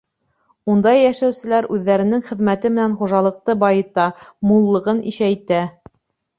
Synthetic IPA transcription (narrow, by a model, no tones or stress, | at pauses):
und̪ɑjːæʃæwsɘ̆læɾʔʉðːæɾɘ̆nɘŋχɘ̆ðmæt̪ɘmɘ̆nænχuʒɑlˠɤ̆q̚t̪ɤbɑjɤ̆t̪ɑmulˠːɤ̆ʁɤnḭʃæjt̪æ